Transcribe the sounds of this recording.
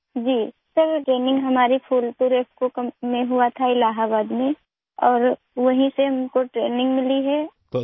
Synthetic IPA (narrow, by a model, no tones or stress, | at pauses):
d͡ʒiː | sɐɾʈɾeːnɪ̃ŋɡɦɐmaːɾipʰuːlpuɾeːpkokɐmːẽɦuat̪ʰaɪlaːɦabaːd̪mẽ | ɔːɾ | ʋɐɦĩseɦɐmkoʈɾeːnɪ̃ŋɡmɪliɦɛː